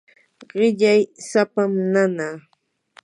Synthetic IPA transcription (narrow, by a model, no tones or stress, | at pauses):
ɢɪʎajsapamnanaː